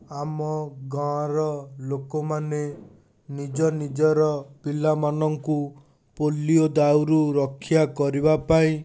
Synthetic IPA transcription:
amɔɡaɾɔlokɔmane | nid͡ʒɔnid͡ʒɔɾɔpilamanɔŋku | poliod̪awɾuɾɔkʰːjakɔɾibapaĩ

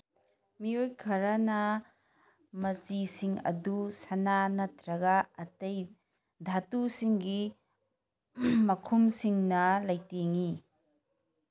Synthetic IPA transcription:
miojkʰɐɾanɐ | mɐt͡ʃisiŋɐ̰dusɐnanɐtɾɐɡɐɐtɐj | dʱatusiŋɡi | mɐkʰumsiŋnɐlɐjteŋi

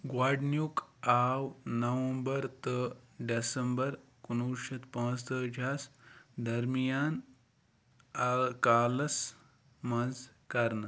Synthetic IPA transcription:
ɡwaːɖnjukaːwnɐʋɐmbɐɾt̪əɖesəmbɐɾkunuɾʃɐt̪pãːst̪əd͡ʒʱaːsd̪ɐɾmijaːn | kaːlɐs | mɐnd͡z | kaɾnɐ

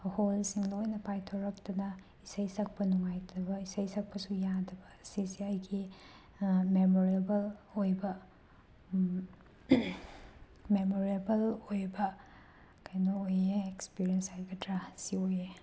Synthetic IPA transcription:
holsiŋlojnɐpajtʰɐwɾɐk̚tɐnɐ | isɐjsɐk̚pɐnuŋajdɐbɐisɐjsɐk̚pɐsujadɐbɐsisiɐjɡi | memoɾebɐlojbɐ | memoɾebɐlojbɐ | kɐjnɐojeekspiɾijensajɡɐtɾasioje

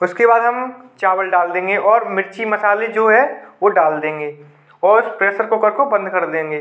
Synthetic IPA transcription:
ʊskebaːd̪ɦɐmt͡ʃaːʋəlɖaːld̪ẽːŋɡeʔɔːɾmɪɾt͡ʃimɐsaːled͡ʒoːɦɛʋoɖaːld̪ẽːŋɡeː | ɔːɾʊspɾeːsəɾkokɐɾkobɐ̃nd̪kɐɾd̪ẽːŋɡeː

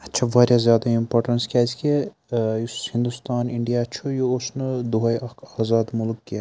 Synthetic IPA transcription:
ɐtːt͡ʃʰɐʋaːɾʲjazjaːd̪aimpoːɾʈɐnskʲaːzkʲe | jushĩnd̪ust̪aːniɳɖijat͡ʃʰujuoʃnɨd̪uɦɐjɐkʰaːzaːd̪mulkːe

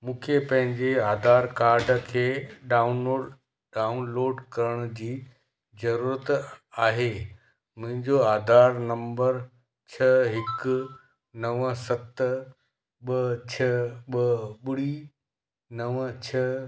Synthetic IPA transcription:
mũːkʰepɐ̃ɦɪ̃ɲd͡ʑeaːd̪ʱaːɾkaːɾɖəkʰeːɗaːuno | ɖaːunloːɖkɐɾəɽ̃d͡ʑiː | zɐɾuːɾət̪aːɦe | mʊ̃ɦɪ̃ɲd͡ʑoaːd̪ʱaːɾnɐ̃mbəɾ | t͡ɕʰɐɦɪk | nɐʋsɐt̪ | ɓɐt͡ɕʰɐɓɐɓʊɽi | nɐʋt͡ɕʰɐ

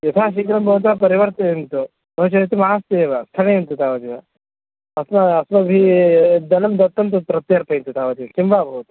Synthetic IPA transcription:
jɐt̪ʰaːʃ̬ikɾɐmbʱɐʋut̪̬apɐɾiʋɐɾt̪ɐɦint̪u | bɐt͡ʃɐt̪imaːst̪eeʋast̪ʰɐneint̪ut̪aːʋɐt̪iʋa | ɐsnɐɐsnɐbʱid̪ɐnɐmd̪ɐt̪ːɐnt̪upɾɐt̪jɐɾpʰɐint̪ut̪aːʋɐt̪iɐkimbaːbʱɐʋut̪ɐ̥

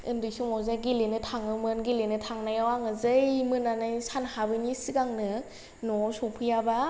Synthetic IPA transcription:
ɯ̰ndɯjsuŋɔwzaɡilenɯtʰaŋɯmɯnɡilenɯtʰaŋnajawaŋɯzɯjmɯnanajsanhabɯnisiɡaŋnɯ | nɔsɔwpʰɯjaba

